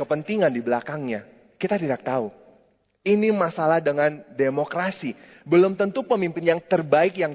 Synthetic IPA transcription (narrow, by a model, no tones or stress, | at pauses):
əpənt̪iŋandibəlakaŋɲa | kit̪at̪idak̚t̪au | inimasalahdəŋandemokɾasi | bəlʊmt̪ənt̪upəmimpɪnjaŋt̪ərbaɪkjaŋ